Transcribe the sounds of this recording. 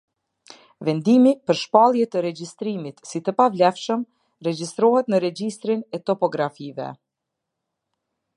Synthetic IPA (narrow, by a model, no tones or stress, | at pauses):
vɛnd̪imipəɾʃpalˠjɛt̪əɾɛd͡ʒist̪ɾimit̪sit̪əpavlɛfʃəm | ɾɛd͡ʒist̪ɾɔɦɛt̪nəɾɛd͡ʒist̪ɾinɛt̪ɔpɔɡɾafivɛ̰